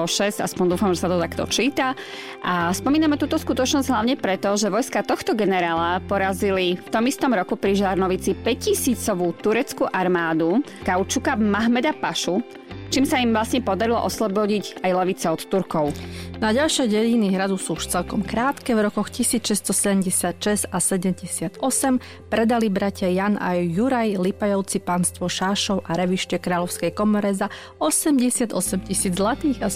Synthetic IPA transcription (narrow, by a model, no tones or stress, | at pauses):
ɔʃɛza̰spɔnd̪uːfamʒɛsat̪ɔt̪akt̪ɔ̰t͡ʃiːt̪a | ʔaspɔmiːnamɛt̪uːt̪ɔskut̪ɔt͡ʃnɔzɟɦlaʊɲɛpɾɛt̪ɔʒɛʋɔjskat̪ɔxt̪ɔɡɛnɛɾaːlapɔɾazilift̪ɔmist̪ɔmɾɔkupɾiʒaɾnɔʋit͡sipɛcisiːt͡sɔʋut̪uɾɛt͡skuʔaɾmaːd̪ukaʊt͡ʃukamaɦmɛd̪apaʃu | t͡ʃiːmsaimʋlasɲɛpɔd̪aɾilɔ̰ʔɔslɔbɔɟiɟajlɛʋit͡sɛɔt̪t̪uɾkɔʊnaɟalʃɛjɟɛjiniɦɾad̪usuuʃt͡sɛlkɔmkɾaːt̪kɛvɾɔkɔxcisiːt͡sʃɛst̪ɔsɛɟɛmɟɛsɪat̪ʃɛz̥asɛɟɛmɟɛsɪad̪ɔsɛm | pɾɛd̪alibɾacɪajana̰jːuɾajlipajɔʊt͡sipanst̪ʋɔʃaːʃɔʊʔaɾɛʋiʃcɛkɾaːlɔʊskɛjkɔmɔɾɛza | ɔsɛmɟɛsɪad̪ɔ̰sɛmcisiːd͡zzlat̪iːɣa